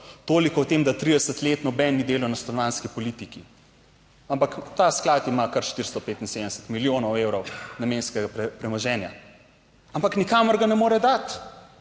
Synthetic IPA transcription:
t̪oːlikɔwt̪eːmd̪at̪ɾid̪ɛsət̪leːt̪nɔbɛnːid̪eːlɔnast̪ɔnɔʋaːnskipɔlit̪iki | ampakt̪asklat̪imakɐɾʃt̪iɾst̪ɔpeːt̪inseːd̪əɛsə̥t̪miljoːnɔweːwɾɔwnameːnskɛɡapɛpɾɛmɔʒɛːnja | ampaknikamɔɾɡanɛmoːɾɛd̪at̪

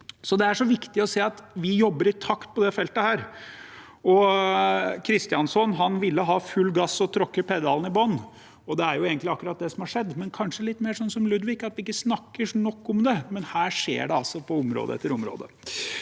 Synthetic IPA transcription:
sɔd̪ɛæʂɔʋɪkt̪ɪɔseːɑt̪ʋɪjɔbːəɾɪt̪ʰɑkt̪̚pʰɔd̪ɛfɛlt̪əhæːɾ | ɔ | kʰɾɪst̪ɪjɑnsɔnɦɑnʋɪlːəɦɑːfʉlːɡɑsːɔt̪ʰɾɔkːəpʰɛd̪ɑln̩ɪbɔnː | ɔd̪ɛæɾjʊeːɡənt̪lɪɑkːʉɾɑt̪̚d̪ɛsɔmhɑʂɛd̪ːmɛnkʰɑnʂəlɪt̪ːmeːʂɔnsɔmlʉd̪ʋɪkːɑt̪ʋɪɪkːəsnɑkːəʂnɔkːʊmd̪ɛmɛnhæːʂḛːɖɛɑlsɔpʰɔʊmɾo̰d̪əɛ̰t̪ːəɾʊmɾo̰ːd̪ə

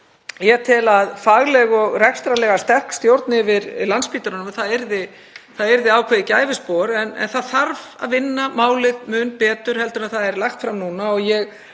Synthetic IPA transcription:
jɛt̪ʰɪlaðfaɣlɛɣɔɣrɛkst̪ɾalɛːɣast̪ɛr̥kst̪jowɾt̪nɪvɪɾlanspiːt̪aɾɔnʏmθaðɛɾðɪ | θaðɛɾðɪaːwkʰvɛːðɪcaːjvɪspɔːɾɛnɛ̰nθaðθaɾva̰ðvɪnːamaːwlɪðmʏnpɛːt̪ʏɾ̥hɛlt̪ʏɾnaθaðɛɾlaxt̪fɾamnuːnaɔɣjɛɣ

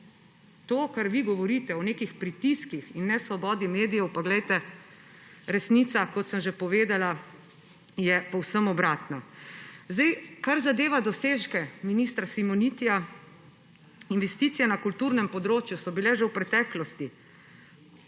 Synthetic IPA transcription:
t̪oːkaɾʋiɡɔʋɔɾit̪ɛɔneːkixpɾit̪iskixinːɛsʋɔbɔːd̪imeːd̪ijɛwpaɡlɛjt̪ɛ | ɾɛsnit̪sakɔt̪səmʒepɔʋeːd̪ala | jɛpɔwsəmɔbɾaːt̪nazd̪ɛjkaɾzad̪eːʋad̪ɔseːʃkɛminist̪ɾasimɔnit̪ija | inʋɛst̪iːt̪sijɛnakult̪uɾnɛmpɔd̪ɾoːt͡ʃjusɔbilɛʒɛwpɾɛt̪ɛːklɔst̪i

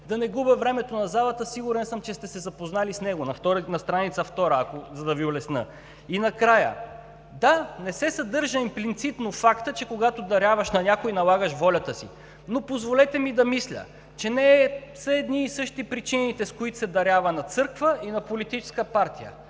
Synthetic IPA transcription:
d̪ɐnɛɡubɛvɾɛmɛt̪onɐzalˠət̪əsiɡuɾɛnsəmt͡ʃɛst̪ɛsɛzɐpoznalisnɛɡonɐft̪ɔɾnɐst̪ɾanit̪sɐft̪ɔɾəːkozɐd̪ɐviolɛsnɤ̰ | inɐkɾajə̰ | d̪anɛsɛsɐd̪ɤɾʒəimplit̪sit̪nofakt̪ət͡ʃɛkoɡat̪od̪ɐɾʲjavɐʃnɐnʲakoinɐlˠaɡəʃvɔlʲɐt̪əsḭ | nopozvolɛt̪ɛmid̪ɐmislʲə̰ | t͡ʃɛnɛsəɛd̪niːsɤʃt̪ipɾit͡ʃinit̪ɛskoit̪sɛd̪ɐɾʲavɐnɐt̪sɤɾkvəinɐpolit̪it͡ʃɛ̥skəpaɾt̪ijə̰

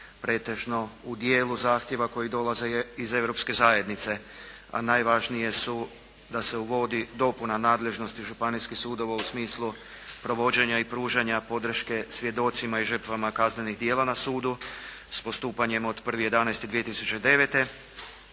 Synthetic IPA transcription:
pɾe̞ːt̪e̞ʒno̞ud̪jeːluzaːxt̪je̞ʋako̞jid̪o̞laze̞ize̞ʋɾo̞pske̞zaːje̞d̪nit̪se̞a̰najʋaʒnije̞su | d̪ase̞uʋo̞d̪id̪o̞punanaːd̪le̞ʒno̞st̪iʒupaniskixsuːd̪o̞ʋausmiːslˠu | pɾo̞ʋo̞d͡ʑe̞ɲaipɾuːʒaɲapo̞d̪r̩ʃke̞sʋje̞d̪o̞t̪simaiʒər̩t̪ʋamakazne̞niɦd̪je̞ːlanasuːd̪u | spo̞st̪uːpaɲe̞mo̞d̪pr̩ʋijed̪anajst̪id̪ije̞t̪isut͡ɕe̞d̪e̞ʋet̪e̞

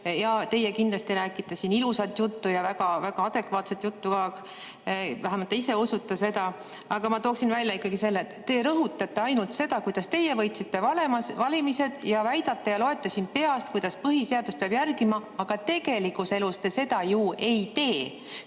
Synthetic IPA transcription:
jɑht̪e̞jekind̪lɑst̪iɾæːkːˑit̪ːˑɑsiːnilusɑt̪ːˑjut̪ːujɑvæɡ̥ɑvæɡ̥ɑɑd̪̥e̞kvɑːt̪set̪ːˑjut̪ːukɑ | væɦæmɑt̪ːˑeise̞usut̪ːˑɑse̞d̪ɑ | ɑɡ̥ɑmɑt̪o̞ːksinvælʲjɑikːˑɑɡ̥ise̞lːet̪t̪ːe̞ɾɤɦut̪ːˑɑt̪ːˑe̞ɑjnult̪se̞d̪̥ɑkujd̪̥ɑst̪e̞jevɤ̞jt̪sit̪ːe̞vɑlemɑvɑlʲimise̞d̪̥jɑvæjd̪̥ɑt̪ˑːɑjɑlo̞e̞t̪ˑːesinpe̞ɑst̪̚kujd̪̥ɑspɤɦise̞ɑd̪̥us̚peɑb̥jærɡimɑɑɡ̥ɑt̪e̞ɡ̥e̞likuse̞lust̪e̞se̞d̪̥ɑjuːe̞jt̪e̞ː

